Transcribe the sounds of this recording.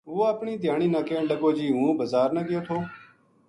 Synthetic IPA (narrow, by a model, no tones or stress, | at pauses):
ʊːoəpɳiːd̪ʱɪjaːɳiːnãːkeẽːɖəɡoːd͡ʒiːɦũːbəzaːɾnəɡɪjoːt̪ʰoː